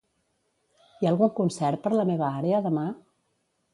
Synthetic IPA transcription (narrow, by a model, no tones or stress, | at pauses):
iaːlˠɣuŋkunsɛɾpəɾləmeβ̞əaɾeəðəma